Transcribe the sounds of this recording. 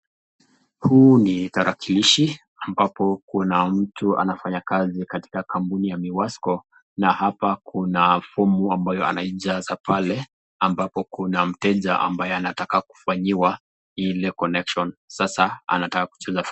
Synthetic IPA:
huːnitaɾakiliʃi | ambapɔkunam̩tʰua̰nafaɲakazikati̥kakampunijamiwaskɔ | nahapakʰunafumuambajɔa̰naiʄazapʰalɛ | ambapɔkunam̩tɛʄaʔa̰mbajɛanatakaku̥faɲiwa | ilɛkɔnɛkʃɔnsasaa̰natakaku̥t͡ʃɛzaf

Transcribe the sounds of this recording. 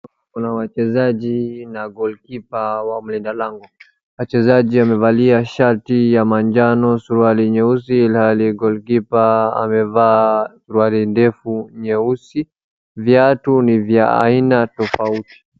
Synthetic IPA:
kunawat͡ʃɛzaʄinaɡɔlkipawam̩lindalaŋɡɔ | wat͡ʃɛzaʄiamɛvaliaʃaɾtijamand͡ʒanɔsuɾualiɲɛusilhaliɡɔlkipaa̰mɛvaːsuɾualindɛfuɲɛusi | vjatunivjaa̰inatɔfauti̥

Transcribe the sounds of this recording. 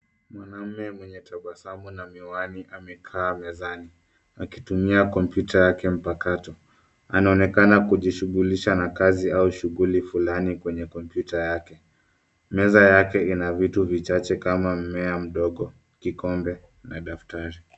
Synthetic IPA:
mwanam̩mɛmwɛɲɛtʰaɓwasamunamiwaniʔamɛkʰaːmɛzani | akitumiakɔmpjutʰajakɛm̩pakatɔ | anaɔnɛkanakuʄiʃuɣuliʃanakaziauʃuɣulifulanikwɛɲɛkɔmpjutajakɛ | mɛzajakɛinavituvit͡ʃat͡ʃɛkamam̩mɛam̩ɗɔɠɔ | kikɔmbɛ | naɗaftaɾi

